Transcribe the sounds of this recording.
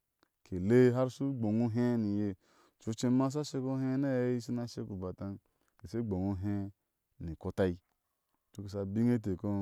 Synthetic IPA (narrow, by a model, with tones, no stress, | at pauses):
kʰe˨le˦ɦa˦ɾsu˦ɡ͡bo˨ŋu˦ɦe˦ni˨je˨ | t͡ʃu˨˧˦t͡ʃe˦ma˦s̬a˦ʃe˦ko˦ɦe˦ne˦i˦si˦na˦ʃe˦ku˨ba˨ta˧n | ke˨se˦ɡ͡bo˨ŋo˦ɦe˦ | ni˨ko˧ta˦i˦ | t͡ʃo˦ke˨s̬a˨bi˦ŋe˦t̬e˨ko˦